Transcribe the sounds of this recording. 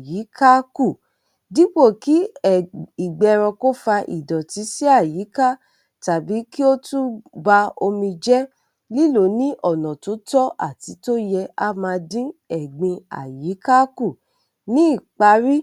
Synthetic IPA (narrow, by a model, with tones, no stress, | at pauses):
ji˨˦ka˦ku˦˨ | di˨˦k͡po˦˨ki˨˦˨ | i˨ɡ͡bɛ˧ɾɔ̃˧ko˦fa˧ʔḭ˨dɔ˨ti˨˦si˦a˦˨ji˨˦ka˦˨ | ta˨bi˨˦ki˦o˦tu˦ba˧o˧mĩ˧d͡ʒɛ˦ | li˦lo˨˦nĩ˦ʔɔ˦˨nɔ̃˨to˨˦tɔ˦ʔa̰˦˨ti˨˧˦to˦jɛ˧a˦mã˧dĩ˦ɛ˨ɡ͡bĩ˧a̰˨ji˨˦ka˦ku˦˨ | nĩ˦i˦˨k͡pa˧˦ɾi˦